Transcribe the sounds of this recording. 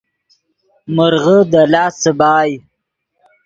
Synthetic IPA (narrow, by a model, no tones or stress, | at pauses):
məɾɣəd̪alɑːsəbɑːj